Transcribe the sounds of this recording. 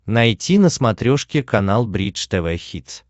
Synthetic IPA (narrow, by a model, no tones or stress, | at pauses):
nɐjtʲinəsmɐt̪ɾʲoʂkʲɪkɐnalˠbɾʲit͡ʃt̪ɛvɛxʲit̪s